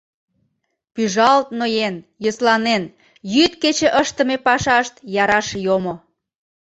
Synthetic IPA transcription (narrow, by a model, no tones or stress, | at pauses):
pyʒɑlt̪̚nojenjoslɑnen | jyt̪̚ket͡ɕĕʔəʃt̪əmepɑʃɑʃt̪jɑɾɑʃjomo